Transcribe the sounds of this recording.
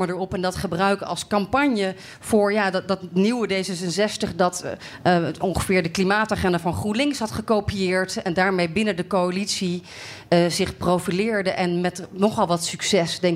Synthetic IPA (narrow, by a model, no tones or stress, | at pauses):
məɹdəɹɔpɛndɑtχəbrœɥkəɑ̰lˠskɑmpɑɲjə | v̥ʊːɹjaːddɑtniwədejzəsənzɛstəχdɑt | ɔŋχəvɪːɹdəklimaːtaːχɛndavɑnχrulɪŋsɦɑtχəkowpijɪːɹtɛndaːɹmejbɪnəndəkowalitsi | zɪχprowfilɪːɹdəʔɛnmɛtnɔχɑlˠʋɑtsyksɛsdɛŋ